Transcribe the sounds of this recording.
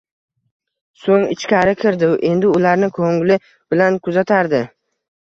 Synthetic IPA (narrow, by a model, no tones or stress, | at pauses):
soŋɪ̰t͡ʃkʲʰaɾɪkʲʰɪɾd̪ɪʔe̞nd̪ɪʊlaɾnɪkʰoŋlɪ | b̥ɪlankʰʊzat̪ʰaɾd̪ɪ